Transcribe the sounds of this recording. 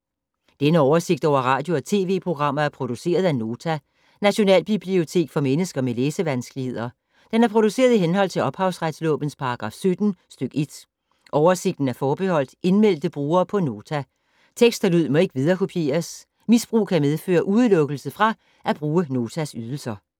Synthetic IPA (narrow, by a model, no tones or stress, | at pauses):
d̥enəɒʊɐse̝ɡ̥̚d̥ɒʊ̰ɐʁɑ̰̈ːd̥jo̝ɒt͡sʰe̝̰ːʋe̝̰ːpʰʁo̝ɡ̥ʁɑ̈m̰ɐæɐpʰʁo̝d̥use̝̰ːɐð̞ˠæno̝ːt͡sʰæ | næɕo̝nɛ̰ːlb̥ib̥lio̝t͡sʰe̝̰ːɡ̥fɒ̽menəsɡ̥ɐmeleːsəʋænsɡ̥əlihe̝ð̞̰ˠɐ | d̥enæɐpʰʁo̝d̥use̝̰ːɐð̞ˠiɦenɦɒ̽l̰t͡sʰe̝lɒ̽b̥hɑ̈ʊsʁad̥slɔ̰̽ːb̥ən̩spʰɑ̈ɑɡ̥ʁɑ̰̈ːfsød̥n̩sd̥øɡ̥e̝d̥ | ʔɒʊɐse̝ɡ̥̚d̥n̩æɐfɒːb̥ehɒ̽l̰d̥e̝nmel̰d̥əb̥ʁuːɐːpʰɒ̽no̝ːt͡sʰæ | t͡sʰeɡ̥sd̥ælyð̞̰ˠmɒ̽e̝ɡ̥ʋið̞ˠɐkʰo̝pʰje̝̰ːɐs | misb̥ʁṵːkʰæmeðˠfø̰ːɐʔuðˠlɔ̽ɡ̥əl̩səfʁɑ̈ | ʔæb̥ʁuːəno̝ːt͡sʰæsyð̞ˠl̩sɐ